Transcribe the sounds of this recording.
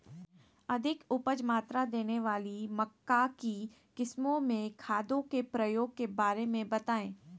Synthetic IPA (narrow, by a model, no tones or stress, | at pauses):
ɐd̪ʱɪkʊpəd͡ʒmaːt̪ɾad̪eːneʋaːlimɐkːaki | kɪsmõmẽkʰaːd̪õkepɾɐjoːɡ̚kebaːɾemẽbɐt̪aːẽː